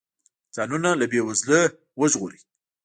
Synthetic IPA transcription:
z̥ɑnunalabewazlə | wəʒɣoɾi

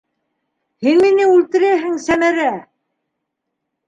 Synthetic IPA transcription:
hinminɘʉlt̪ɘ̆ɾæɦɘŋsæmæɾæ

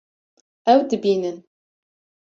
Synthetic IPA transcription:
æwd̪ɨbiːnɨn

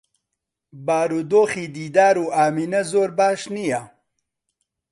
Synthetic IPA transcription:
baːɾuːd̪oːxiːd̪iːd̪aːɾuːaːmiːnɐzoːɾbaːʃnijɐ

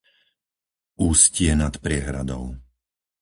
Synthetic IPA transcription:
uːscɪɛnat̪pɾɪɛɦɾa̰d̪ɔ̰ʊ

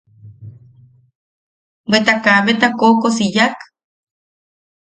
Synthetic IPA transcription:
wet̪akaβet̪akokosijak

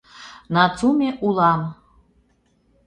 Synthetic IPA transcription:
nɑt͡sumʲeʔulɑn

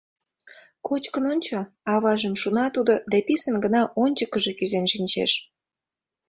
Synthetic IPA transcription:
kot͡ɕkənonʲt͡ɕo | ɑβɑʒəmʃunɑt̪ud̪od̪æpʲisənɡənɑʔonʲt͡ɕəkəʒĕkyzenʃinʲt͡ɕḛʃ

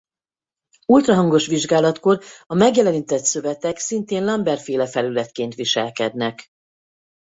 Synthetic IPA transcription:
ult̪ɾɒɦɒŋɡo̞ʃʋiʒɡaːlɒt̪ko̞rɒmɛɡjɛlɛniːt̪ɛt̪sø̞vɛt̪ɛksint̪eːnlɒmbɛrfeːlɛfɛlylɛt̪keːnt̪ʋiʃɛlkɛd̪nɛk

